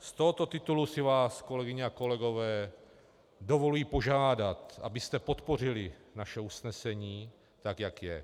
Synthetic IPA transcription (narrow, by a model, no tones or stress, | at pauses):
st̪o̞ɦot̪o̞t̪ɪt̪ulusɪvaːsko̞lɛɡɪɲɛako̞lɛɡo̞vɛː | do̞vo̞lujiːpo̞ʒaːdat̪ʔa̰bɪst̪ɛpo̞t̪po̞r̝ɪlɪnaʃɛusnɛsɛɲiː | t̪akjakjɛ